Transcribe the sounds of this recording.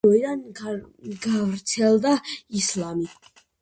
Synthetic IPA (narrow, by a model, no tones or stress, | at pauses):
ɔid̪an | ɡavɾt̪sʰɛlˠd̪aislami